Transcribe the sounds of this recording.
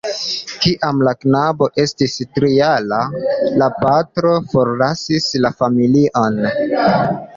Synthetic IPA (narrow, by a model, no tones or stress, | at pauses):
kiʔamlaknabo̞ʔe̞stistɾialalapatɾo̞foɾlasislafamiliʔo̞n